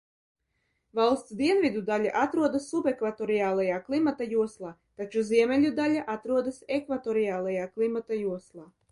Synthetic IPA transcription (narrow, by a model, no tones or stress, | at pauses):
valˠst̪sd̪iɛnvid̪ud̪alʲa̰ʔat̪ɾuɔd̪asːupekvat̪ɔɾijaːlˠajaːklˠimat̪ajuɔslˠaːt̪at͡ʃuziɛmʲɛlʲud̪alʲaʔat̪ɾuɔd̪asekvat̪ɔɾijaːlˠajaːklˠimat̪ajuɔslˠaː